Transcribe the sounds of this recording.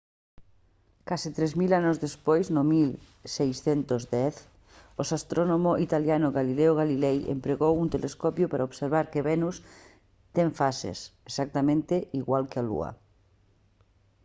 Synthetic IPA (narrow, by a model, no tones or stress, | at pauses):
kasɪt̪ɾɛzmilanozðespojznʊmil | sejsθent̪ʊzd̪ɛθ | osast̪ɾonomoʔit̪aljanʊɣalileʊɣalilɛjḛmpɾeɣowunt̪eleskɔpjʊpaɾaoβseɾβaɾkeβɛnus | t̪ɛŋfasḛsesak̚t̪amẽnt̪eʔiɣwalkɪalṵɐ̰